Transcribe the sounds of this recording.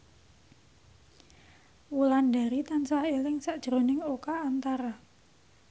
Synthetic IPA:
wulanda̤ɾit̪ansaelɪŋsaʔd̥ʒ̥ɾo̤nɪŋokaːnt̪aɾa

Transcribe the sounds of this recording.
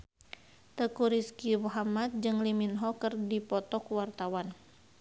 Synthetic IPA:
t̪əkuɾiskimuɦamat̪̚d͡ʒɨŋliminɦɔkɨrdipɔt̪ɔkuwart̪awan

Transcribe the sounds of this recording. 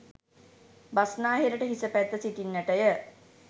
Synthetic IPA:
basnaːɦiɾəʈəɦisəpæt̪ːəsit̪inːəʈəjə

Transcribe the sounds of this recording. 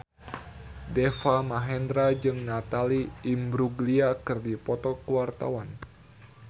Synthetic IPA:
dɛfamaɦɛnd̪ɾad͡ʒɨŋnat̪aliːmbɾuɡliakɨrdipɔt̪ɔkəwart̪a̰wan

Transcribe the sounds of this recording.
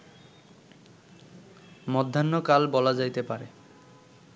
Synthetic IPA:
mɔd̪ʱːanːɔkalbɔlazajt̪epaɹe

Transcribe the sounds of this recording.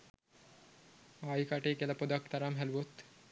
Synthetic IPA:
aːjikaʈeːkielɐpod̪akt̪aɾamɦæluʋot̪

